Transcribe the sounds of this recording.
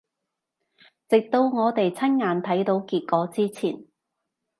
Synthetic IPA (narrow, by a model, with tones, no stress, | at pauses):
t͡sɪ˨k̚t̪o˧wŋɔː˨˧t̪e˨jt͡sʰɐ˥nŋaː˨˧nt̪ʰɐ˨˥jt̪o˨˥wkiː˧t̚kɔː˨˥t͡siː˥t͡sʰiː˨˩n